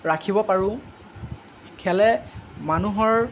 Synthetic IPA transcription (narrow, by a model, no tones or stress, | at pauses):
ɹakʰibɔpaɹʊ̃ | kʰɛlɛmanuɦɔɹ